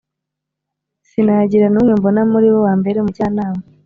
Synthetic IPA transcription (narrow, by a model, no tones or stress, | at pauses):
sinaɟiɾanumwiːmbo̞namuɾiβowaːmbe̞ɾemucaːnaːma